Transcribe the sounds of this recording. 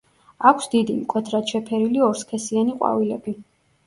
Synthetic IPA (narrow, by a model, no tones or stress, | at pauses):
akʰsd̪id̪imkʼwɛt̪ʰɾat̪ʃʰɛpʰɛɾiliɔɾskʰɛsianiqʼwa̰vilɛbi